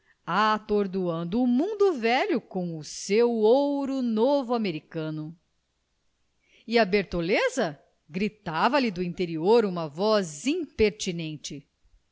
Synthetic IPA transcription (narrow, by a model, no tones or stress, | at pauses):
at̪oɾd̪uɐ̃nd̪ʊːmũnd̪ʊvɛʎʊkõw̃ʊsewowɾʊnovʊameɾikɐ̃nʊ | ɪɐbeɾt̪olezɐ | ɡɾit̪avɐlɪd̪ʊĩnt̪eɾioɾũmɐvɔzĩpeɾt͡ʃinẽnt͡ʃɪ